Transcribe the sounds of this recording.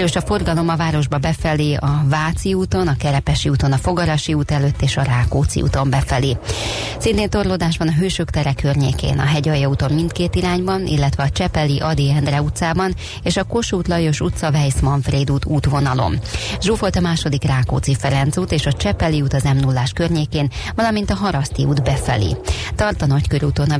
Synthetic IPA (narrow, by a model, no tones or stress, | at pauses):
ɾøːʃɒfo̞rɡɒlo̞mɒvaːɾo̞ʒbɒbɛfɛliɒvaːt̪siuːt̪o̞nɒkɛɾɛpɛʃiuːt̪o̞nɒfo̞ɡɒɾɒʃiuːt̪ɛløːt̪ːeːʃɒraːkoːt̪sḭṵːt̪o̞mbɛfɛli | sint̪eːnt̪o̞rlod̪aːʒbɒnɒɦøːʃøkt̪ɛɾɛkʰːørɲḛːkḛːnɒ̰ɦɛɟɒjːɒut̪o̞mːint̪keːt̪iɾaːɲbɒnḭlːɛt̪ʋɛɒt͡ʃɛpɛliʔɒd̪iɛnd̪rɛut̪saːbɒn | eːʃɒko̞ʃuːt̪lɒjo̞ʃut̪sɒvɛjsmɒɱfreːd̪uːt̪uːt̪ʋo̞nɒlo̞̰mʒoːfo̞lt̪ɒmaːʃo̞d̪ikraːko̰ːt̪sifɛɾɛnt̪suːt̪eːʃɒt͡ʃɛpɛliuːt̪ɒzɛmnulːaːʃkørɲeːkeːnvɒlɒmint̪ɒɦɒɾɒst̪iuːd̪bɛfɛ̰lḭt̪ɒrt̪ɒnɒckøɾuːt̪o̞nɒ